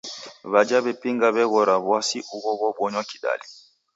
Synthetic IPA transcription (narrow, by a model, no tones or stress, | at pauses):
βad͡ʒaβɛpiŋɡaβɛɣɔɾaβwasiʔuɣɔβɔɓwɔɲwakiɗa̰lḭ